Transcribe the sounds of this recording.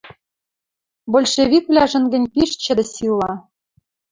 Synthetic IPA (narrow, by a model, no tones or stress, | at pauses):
bolʲʃevʲikvlʲæʒə̆nɡɘ̆nʲpiʃt͡ɕɘ̆d̪ɘ̆silːɑ